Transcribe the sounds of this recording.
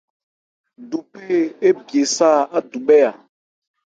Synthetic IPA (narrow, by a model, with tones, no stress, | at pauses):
du˨pe˦e˦bje˨saː˦˨a˦du˨ɓɛ˦a˨